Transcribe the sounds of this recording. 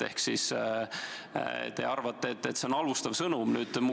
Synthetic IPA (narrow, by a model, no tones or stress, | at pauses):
ehksis | t̪e̞̰ɑrvɑt̪ːˑeet̪ːˑet̪ːse̞o̞nɑlust̪ɑvsɤnumnyːd̪̥mu